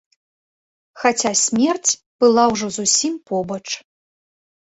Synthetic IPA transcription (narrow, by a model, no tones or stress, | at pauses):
xat͡sʲasʲmʲɛrt͡sʲ | b̥ɨlˠawʐɔzusʲimpɔbɐt͡ʂ